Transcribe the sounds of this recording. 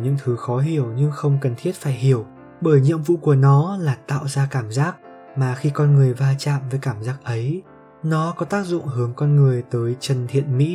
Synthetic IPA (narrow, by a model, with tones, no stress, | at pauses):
ɲɨ̰˧˥ŋt̪ʰɨ˨˦xɔ˨˦ɦi˧˩əwɲɨ˧ŋxə˧wŋ͡mkə˨˩nt̪ʰi˦˥ət̚faː˧˩jɦi˧˩əw | ɓəː˧˩jɲɨ̰˧˨əmvṵ˧˨ku˧˩ənɔ˨˦laː˨˩t̪a̰ː˧˨wzaː˧kaː˧˩mzaː˦˥k̚ | maː˨˩xi˧kɔ˧nŋɨ˨˩əjvaː˧t͡ɕa̰ː˧˨mvəː˨˦jkaː˧˩mzaː˦˥k̚ʔə˨˦j | nɔ˨˦kɔ˨˦t̪aː˦˥k̚zʊ̰˧˨ŋ͡mhɨ˨˦əŋkɔ˧nŋɨ˨˩əjt̪əː˨˦jt͡ɕə˨˩nt̪ʰḭ˧˨ənmḭ˧˥